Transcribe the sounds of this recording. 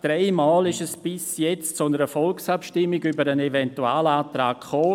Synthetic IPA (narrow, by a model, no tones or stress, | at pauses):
d̥ɾeɪmaːlɪʃɛsb̥ɪsjɛt͡stt͡sʊnəɾəfɔlksapʃtɪmːiɡybəɾənɛvɛntuaːləaːtɾaːkχoː